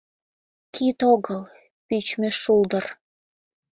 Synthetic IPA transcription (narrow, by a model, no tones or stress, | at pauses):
kʰit̪oɣəl | pyt͡ɕmĕʃuld̪ə̆r